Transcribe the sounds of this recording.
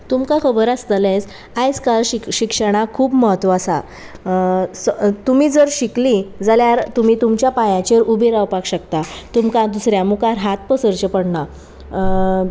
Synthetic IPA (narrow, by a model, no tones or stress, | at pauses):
t̪umkakʰəbəɾast̪əlẽt͡s | ajd͡zkalɕiɕikʂəɽ̃akʰuːbməɦət̪ːʋasa̰ | st̪umiːd͡zəɾɕiklid͡zaljaɾt̪um̤iːt̪umt͡ɕjapajãt͡ɕeɾubeɾawpakɕəkt̪at̪umkãd̪usɾjamukaɾɦat̪̚pəsəɾt͡ɕəpəɽɳa